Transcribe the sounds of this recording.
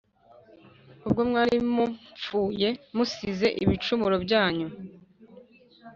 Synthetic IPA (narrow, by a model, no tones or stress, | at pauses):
ubɡo̞mŋaːɾimup͡fuːje̞musize̞ʔiβit͡ʃumuɾo̞bɟaːɲu